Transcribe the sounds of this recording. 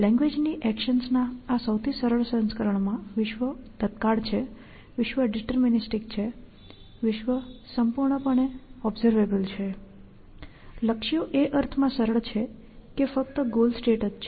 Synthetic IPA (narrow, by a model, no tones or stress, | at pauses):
lɛ̃ŋɡʋed͡ʒniʔɛkʃənsnaːsəwt̪ʰisəɾəɭsə̃nskəɾəɳmãʋɪʃʋəd̪̥ət̪̚kaɭt͡ʃʰe | ʋɪʃʋəɖiʈəɾminisʈikt͡ʃʰe | ʋɪʃʋəsəmpuɾɳəpəɳ̃eɔbzəɾʋebəlt͡ʃʰe | ləkʃijoʔeʔəɾt̪ʰmãsəɾəɭt͡ʃʰe | kefək̚t̪əɡolsʈeʈəst͡ʃʰe